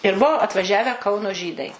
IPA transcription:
ɪr ˈbuɔ ɐtʋɐˈʒʲæːʋʲæː ˈkɐʊnoː ˈʒʲiːdɐɪ

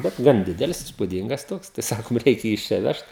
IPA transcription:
bʲɛt ˈɡɐn ˈdʲɪdʲɛlʲɪs ɪspʊˈdʲiːŋɡɐs ˈtoːks tɐɪ ˈsɑːkoːm ˈrʲɛɪkʲɛ ˈjiː ɪʃ ˈt͡ʃʲɛ ˈʋʲɛʃt

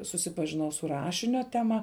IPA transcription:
sʊsʲɪpɐʒʲɪˈnɐʊ sʊ ˈrɑːʃʲɪnʲoː tʲɛˈmɐ

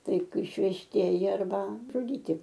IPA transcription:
ˈtɐɪ ɪʃʲʋʲɛʃʲˈtʲiɛjɪ ɐrˈbɐ ʒʊˈdʲiːtʲɪ

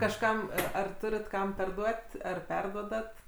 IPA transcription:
kɐʃˈkɐm ɐ ɐr ˈtʊrʲɪt ˈkɐm pʲɛrˈduɔtʲ ˈɐr ˈpʲɛrduɔdɐt

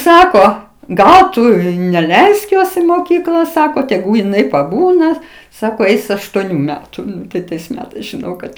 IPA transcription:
ˈsɑːkoː ˈɡɐlˠ ˈtʊ ɪ nʲɛˈlʲɛɪsk ˈjoːs ɪn moːˈkʲiːklˠɐ ˈsɑːkoː tʲɛˈɡuː jɪˈnɐɪ pɐˈbuːnɐ ˈsɑːkoː ˈɛɪs ɐʃtuɔˈnʲuː ˈmʲæːtʊ ˈtɐɪ tɐɪs ˈmʲæːtɐɪs ʒʲɪˈnɐʊ kɐt

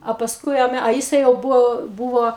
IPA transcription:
ɐ pɐsˈkʊɪ ɐ ˈmʲɛ ɐ ˈjɪsɐɪ jɛʊ ˈbʊʋoː ˈbʊʋoː

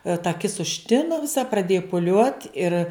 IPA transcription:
tɐ ɐˈkʲɪs ʊʃʲˈtʲɪnʊ ʋʲɪˈsɐ prɐˈdʲeːjʊ pʊˈlʲuɔt ɪr

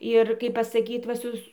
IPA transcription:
ɪr ˈkɐɪp pɐsɐˈkʲiːt ʋɐ ˈsʊs

